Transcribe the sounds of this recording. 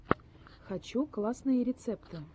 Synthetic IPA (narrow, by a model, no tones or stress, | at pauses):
xat͡ɕuklˠasnɨjəɾʲɪt̪sɛpt̪ɨ